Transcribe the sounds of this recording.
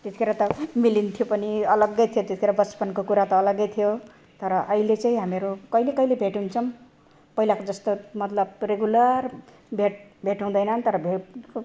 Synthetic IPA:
t̪esikʰeɾat̪ʌmilint̪ʰijopʌniʌlʌɡːʌjt̪ʰijot̪esʰi̥kʰeɾabʌspʌnkokuɾat̪ʌːlʌɡːʌjt̪ʰijo | t̪ʌɾʌʔʌilet͡sãĩɦameɾukʌjlekʌjlebʱeʈunt͡sʰʌm | pʌɦilakod͡zʌst̪omʌt̪lʌbreɡulʌr | bʱeʈ̚bʱeʈaw̃d̪ʌjnʌnt̪ʌɾʌbʱe

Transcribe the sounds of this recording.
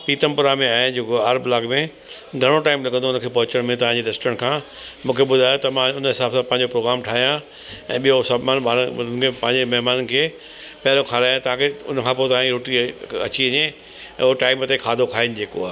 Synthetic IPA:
piːt̪əmpʊɾamẽaːɦenɪd͡ʑokaːɾblaːɡmẽ | ɡʱɐɽ̃oʈaːɪmlɐɡʱə̃nd̪oʊnəkʰeːpɐɦʊt͡ɕəɽ̃mẽt̪ɐʋ̤ãd͡ʑeɾesʈɾə̃ɳʈkʰãː | mũːkʰeɓʊd̪ʱaːjot̪ɐmãʊnəɦɪsaːbsãpɐ̃ɦɪ̃ɲd͡ʑopɾoːɡɾaːmʈʰaːɦijã | ɛ̃ːɓijosabmaːnmaːkepɐ̃ɦɪ̃ɲd͡ʑemɛɦmaːnən̆kʰeː | pɐɦɪlokʰaːlaːjãt̪ɐʋ̤ãkʰeʊ̰nəkʰãːpoːt̪ɐʋãɾoːʈiɐ̰t͡ɕiɐɲḛ̃ | oʈaːɪmt̪ekʰaːd̪ʱokʰaːɦɪnɪ̆d͡ʑeːkoaːɦe

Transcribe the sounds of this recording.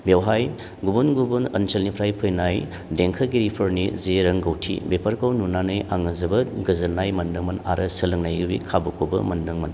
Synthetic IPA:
bewɦaj | ɡubunɡubunɐnsɐlnipʰɾajpʰɯjnaj | deŋkʰɐɡiɾipʰɐɾnizeɾɐŋɡɐwtʰḭbepʰɐɾkʰawnunanɐjʔaŋɐzɐbɐɡɐzɐnːajmɐndɯŋmɐna̰ɾʔɐsɐlɯŋnajɡɯbḭkʰabukʰobɐ̰mɐndɐŋmɐn

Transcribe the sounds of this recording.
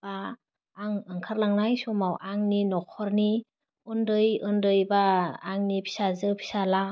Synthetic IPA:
baː | ŋɯŋkʰaɾlaŋnajsɔmawʔaŋninɔkʰɔɾni | ɔndɯjɯndɯjbaːŋnipʰi̥sazɯpʰi̥sala

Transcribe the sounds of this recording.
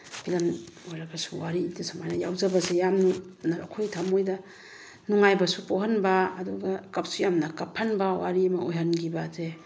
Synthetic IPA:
bʰilanojɾaɡasuwaɾidesamajnaja̰wzabazejamnunaɾa̰kʰojtʰamojda | nuŋajbasupoɦanbaːduɡakap̚sujamnɐkapʰːanbawaɾimaojɦanɡibaze

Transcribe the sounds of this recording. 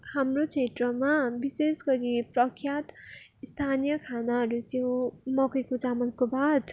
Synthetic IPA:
hamrot͡sʰeʈrʌmabisesɡʌɾiprʌkʰjat̪ | ist̪ʰanijʌkʰanaɦʌɾut͡siõmʌkʌjkod͡zamʌnkobad̪

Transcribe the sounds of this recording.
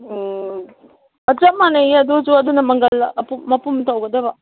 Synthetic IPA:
ɐzamanɐjɐd̪ɔzuɐd̪unɐmɐŋɡɐlɐpuːɐpumt̪ʰawɡɐd̪ɐbɐ

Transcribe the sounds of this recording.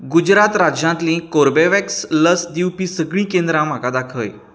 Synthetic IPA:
ɡud͡ʑɾat̪ɾad͡ʑjãnt̪lĩkoɾbeʋɛksləsd̪iwpisəɡɭĩkẽnd̪ɾãm̤akad̪akʰəj

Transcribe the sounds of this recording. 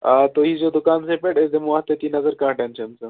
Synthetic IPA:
at̪oɦiːd͡zod̪ukaːnsepeʈesd̪emuʋat̪et̪inɐzəɾkãːʈẽnt͡ʃə̃nsə

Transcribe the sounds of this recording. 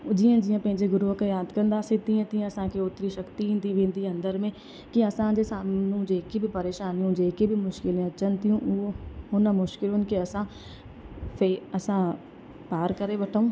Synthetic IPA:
d͡ʑiːə̃d͡ʑijãpɐ̃ɦɪ̃ɲd͡ʑeɡʊɾuɦkajaːd̪kɐ̃nd̪aːsĩt̪iə̃t̪ĩɐsãkʰeʊt̪ɾiʃɐkt̪iɦɪ̃ːnd̪iʋẽːnd̪iɐ̃nd̪əɾmẽ | kiɐsãd͡ʑesaːmnũd͡ʑeːkibʱɪpɐɾeːʃaːnijũd͡ʑeːkebʱimʊʃkɪlẽɐt͡ʃənt̪ijũʔʊoʊnmʊʃkɪlʊnkeɐsã | feːɐsã | paːɾkɐɾeʋɐʈʰaũː

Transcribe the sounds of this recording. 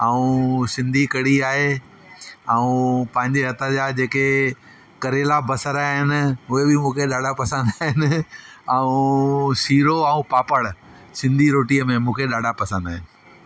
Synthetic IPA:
aːũsɪ̃nd̪ʱikɐɽiaːɦe | ɛũpɐ̃ɦɪ̃ɲd͡ʑeɦɐt̪əd͡ʑad͡ʑeːke | kɐɾeːlabɐsəɾaːɦɪnɪ̆ɦʊɦebɪmũːkʰeɗaːɖʱapɐsə̃nd̪aːɦɪnɪ̆ | ɛũsiːɾoaũpaːpəɽ | sɪ̃nd̪ʱiɾoːʈiəmẽmũːkʰeɗaːɖʱapɐsə̃nd̪aːɦɪnɪ̆

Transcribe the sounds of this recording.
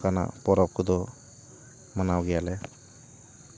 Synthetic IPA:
kana̰pɔɾɔp̚kud̪ɔ | manawɡɛjalɛ

